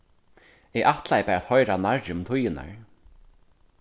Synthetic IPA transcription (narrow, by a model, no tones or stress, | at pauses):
ɛʔaht̪lajpɛɾat̪hɔjɾanaɹd͡ʒʊmt̪ʰʊjɪna̰ɹ